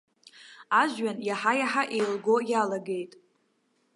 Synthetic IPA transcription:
aʒɥanjaħajaħaʔejlɡojalaɡe̞jtʼ

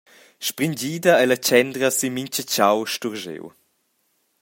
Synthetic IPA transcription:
ʃpɾiɲd͡ʑiːd̪ɐɛlɐt͡ʃɛnd̪ɾəsimiɲt͡ʃət͡ɕawʃtuɾʒḛw

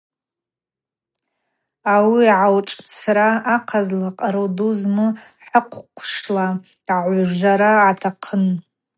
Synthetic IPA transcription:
awiʕawʈ͡ʂʼt͡sʰraːqʰazlaqʼaɾoduzmɨ | ħəqʷʰqʷʰʂla | ʕaʕʷʒʷaɾaʕatʰaqʰən

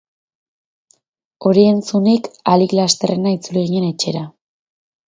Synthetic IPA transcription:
o̞ɾie̞nt͡sunikaliklast̪e̞re̞nait͡suliɣ̞iɲe̞ne̞t͡ʃe̞ɾa

